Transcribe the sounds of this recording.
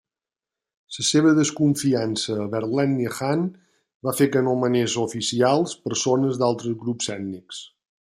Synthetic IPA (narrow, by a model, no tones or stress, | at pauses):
səseβ̞əðəskuɱfiansəːβəɾlɛnːəxan | bafekənomənezufisialˠspəɾsonəzd̪alˠt̪ɾəzɣɾupsɛd̪niks